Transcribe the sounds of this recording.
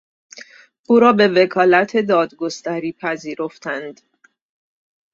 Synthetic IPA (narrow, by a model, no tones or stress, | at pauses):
ʔuːɾɒːbe̞ve̞kʰɒːlæt̪ʰe̞d̪ɒːd̪ɡo̞st̪æɾiːpʰæziːɾo̞ft̪ænd̪